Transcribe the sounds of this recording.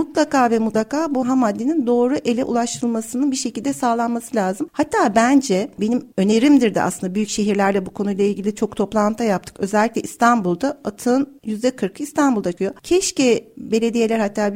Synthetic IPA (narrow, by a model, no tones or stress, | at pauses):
mut̪lˠakʰaːvɛmut̪lˠakʰaːbuɦamad̪ːenind̪o̞ːɾuʔe̞lʲɛʔṵlˠaʃt̪ʰɯɯlˠmasɯnɯnbiʃe̞cilʲd̪ɛsaːlˠanmasɯlʲaːzɯmhat̪ʰːaːbænd͡ʒɛbe̞nimø̞ne̞ɾimd̪iɾd̪ɛ̰ʔa̰slɯnd̪abyjycʃe̞ɦiɾlʲæɾlʲɛbukʰo̞nujlˠailʲɟilʲit͡ʃʰo̞kt̪ʰo̞plˠant̪ʰajap̚t̪ʰɯ̥kø̞zɛlʲːiclʲɛʔist̪ʰanbulˠd̪aat̪ʰɯnjyzd̪ɛkʰɯɾkʰɯist̪ʰanbulˠd̪akʰɯjo̞cʰɛʃcɛbe̞lʲe̞d̪ije̞lʲæɾhat̪ʰːaː